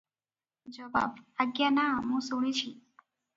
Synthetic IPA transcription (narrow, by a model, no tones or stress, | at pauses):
d͡ʒɔba̰baɡjanaɦũsuɽ̃it͡ʃʰi